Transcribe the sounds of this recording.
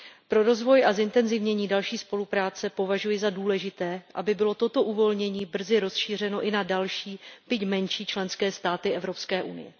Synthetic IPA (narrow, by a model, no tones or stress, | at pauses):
pɾo̞ɾo̞zvo̞jʔazɪnt̪ɛnzɪvɲɛɲiːdalʃiːspo̞lupɾaːt͡sɛpo̞vaʒujɪzaduːlɛʒɪt̪ɛːʔa̰bɪbɪlo̞t̪o̞t̪o̞ʔuvo̞lɲɛɲiːbr̩zɪɾo̞sʃiːr̝ɛno̞ʔɪnadalʃiːb̥ɪcmɛnʃiːt͡ʃlɛnskɛːst̪aːt̪ɪʔɛvɾo̞pskɛːʔunɪ̰jɛ̰